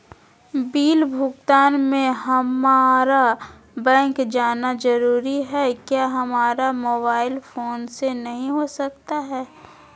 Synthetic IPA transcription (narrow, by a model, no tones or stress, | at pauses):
biːlbʱʊɡt̪aːnmẽɦɐmaːɾa | bɛ̃ːŋkd͡ʒaːnad͡ʒɐɾuːɾiɦɛkjaːɦɐmaːɾamoːbaːɪlfoːnsenɐɦĩɦosɐk̚t̪aɦɛː